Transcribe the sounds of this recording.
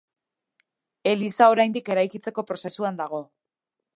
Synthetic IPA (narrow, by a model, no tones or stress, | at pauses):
e̞lisao̞ɾajnd̪ike̞ɾajkit͡se̞ko̞pɾo̞se̞suand̪aɣ̞o̞